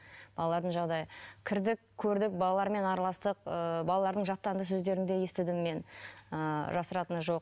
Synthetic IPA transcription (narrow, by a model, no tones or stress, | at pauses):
b̥ɑlˠɑlˠɑɾd̪əɴʒɑʁd̪ɑjəkʲʰɪɾd̪ɪkkʲʰːɵɾd̪ɪk̚bɑlˠɑlˠɑɾme̞nɑɾɑlˠɑst̪əqəbɑlˠɑlˠɑɾd̪əɴʒɑt̪ːɑnd̪əs̬ɵzd̪e̞ɾɪnd̪e̞je̞st̪ɪd̪ɪmːe̞nəʒɑsəɾɑt̪ənəʒo̞q̚